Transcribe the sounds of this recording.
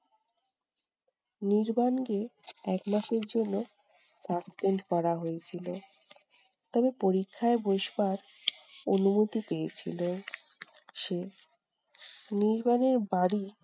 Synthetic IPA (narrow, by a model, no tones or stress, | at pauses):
niɾbanɡeɛkmaʃeɾd͡ʑonːo | saspeɳɖkɔɾaɦoet͡ɕʰilo | t̪ɔbepoɾikʰːaeboʃbaɾ | onumot̪ipeet͡ɕʰḭlo | ʃe | niɾbaneɾbaɽi